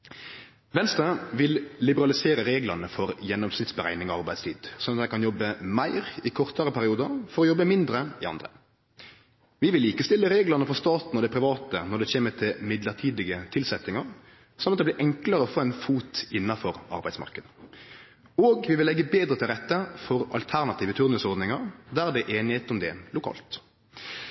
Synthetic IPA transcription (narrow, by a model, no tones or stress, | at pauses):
ʋɛnst̪ɾəʋɪlːɪbəɾɑlɪseːɾəɾeːɡlɑʁnəfɔɾjɛnːɔmsnɪt̪sbəɾæ̰ɪnɪŋɔɑɾbæɪd̪st̪iːd̪sɔnɑt̪d̪ɛɪkɑnjɔbːəmæɪɾɪkʰɔʁt̪əɾəpʰæɾɪuːd̪əɾfɔɾɔjɔbːəmɪnd̪ɾəɪɑ̰nd̪ɾə̰ | ʋɪʋɪliːkəst̪ɪlːəɾeːɡlɑnəfɔst̪ɑːt̪n̩ɔd̪ɛpʰɾɪʋɑːt̪ənɔɖ̪ɛçeːmət̪ʰɪlmɪd̪ləʁʈ̪ʰiːd̪ɪɡət̪ʰɪlsɛt̪ːɪŋɑɾ | sɔmɑt̪̚d̪ɛblɪːɾʔɛŋkləɾəɔfoːæɪnfuːt̪ɪnːɑfɔɾɑ̰ɾbæɪsmɑ̰ʁkəd̪ə | oːɡʋɪʋɪlɛɡːəbeːd̪ɾət̪ʰɪlʁɛt̪ːəfɔɾɑ̰lt̪ʰæʁnɑt̪ʰiːʋət̪ʰʉɾnəsɔɾd̪nɪŋɑɾd̪æʁd̪ɛʔeːnɪheːt̪ɔmd̪ɛ̰lʊkʰɑ̰ːlt̪